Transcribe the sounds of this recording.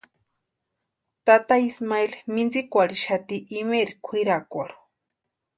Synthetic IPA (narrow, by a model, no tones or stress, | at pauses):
t̪at̪aismaelmind͡zikʷaɽiʃat̪iʔːmeɾikʷʰiɾakʷaɽu̥